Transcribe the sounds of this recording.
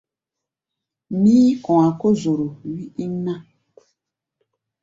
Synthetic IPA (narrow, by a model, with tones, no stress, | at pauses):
mĩ˦ɔ̃˨a˨ko˦zo˨ɾo˨wi˦i˦nã˦